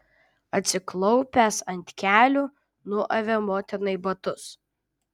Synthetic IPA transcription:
ɐt̪ʲsʲɪklˠɔʊpʲæsɐnʲt̪ʲkʲæːlʲuː | nʊɔʔɐʋʲɛmoːt̪ʲɛnɐɪbɐt̪ʊs

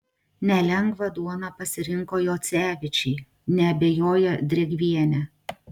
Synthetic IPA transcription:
nʲɛlʲɛŋɡʋɐd̪uɔnɑpɐsʲɪɾʲɪŋkoːjoːt̪sʲæːʋʲɪt͡ʃʲɛɪ | nʲɛɐbʲeːjoːjɛd̪ʲɾʲɛɡʲʋʲiɛnʲɛ

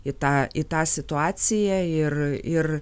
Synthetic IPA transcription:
ɪt̪ɑːɪt̪ɑːsʲɪt̪ʊɑːsʲɪjæɪrɪr

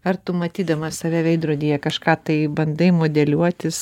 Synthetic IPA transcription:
ɐrt̪ʊmɐt̪ʲiːd̪ɐmɐsɐːʋʲɛːʋʲɛɪd̪ɾuːd̪ʲiːjɛkɐʃkɑːt̪ɐɪbɐnd̪ɐɪmoːd̪ʲɛlʲuɔt̪ʲɪs

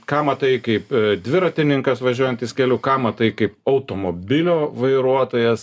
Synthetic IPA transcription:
kɑːmɐt̪ɐɪkɐɪpd̪ʲʋʲɪɾɐt̪ʲɪnʲɪŋkɐsʋɐʒʲuɔjɛnt̪ɪskʲɛlʲʊːkɑːmɐt̪ɐɪkɐɪpɐʊt̪oːmoːbʲɪlʲoːʋɐɪɾuɔt̪oːjɛs

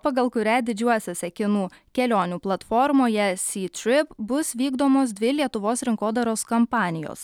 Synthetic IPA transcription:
pɐɡɐlˠkʊɾʲɛd̪ʲɪd͡ʒʲuɔsʲoːsʲɛkʲɪnuːkʲɛlʲoːnʲuːplˠɐt̪fɔɾmoːjɛsʲiːt̪ʲɾʲɪpbʊsʋʲiːɡd̪oːmoːsd̪ʲʋʲɪlʲiɛt̪ʊʋoːsɾʲɪŋkoːd̪ɐɾoːskɐmpɑːnʲɪjo̰ːs

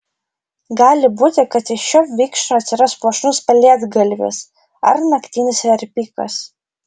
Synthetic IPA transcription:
ɡɑːlʲɪbuːt̪ʲɪkɐt̪ɪʃʃoːʋʲiːkʃoːɐt̪ʲsʲɪɾɐspuɔʃnʊspʲɛlʲeːɛd̪ɡɐlʲʋʲɪ̰s | ɐ̰ɾnɐkt̪ʲiːnʲɪsʋʲɛɾʲpʲiːkɐ̰s

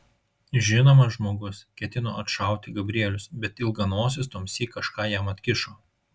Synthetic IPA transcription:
ʒʲɪnoːmɐʒmoːɡʊskʲɛt̪ʲɪno̰ːɐt̪ʃɐˑʊt̪ʲɪɡɐbʲɾʲiɛlʲʊsbʲɛt̪ɪlˠɡɐnoːsʲɪst̪oːmʲsʲiːkɐʃkɑːjɛmɐt̪ʲkʲɪʃoː

